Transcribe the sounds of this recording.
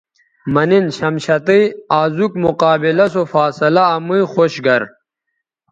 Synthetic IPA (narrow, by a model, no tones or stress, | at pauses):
mɐninɕɐmɕɐt̪ijaːzukmuqaːbilɐsofaːsɐlɐːmujxoɕɡɐɾ